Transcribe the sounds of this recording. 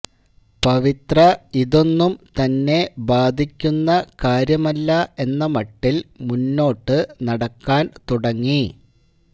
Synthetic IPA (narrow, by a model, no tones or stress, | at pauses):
pɐʋit̪rɐiðo̞nːumt̪ɐnːe̞baːd̪ʱikʲːunːɐkaːɾjɐmɐlːɐe̞nːɐmɐʈːilmunːo̞ːʈːɨnɐɽɐkːaːnt̪uɽɐŋːi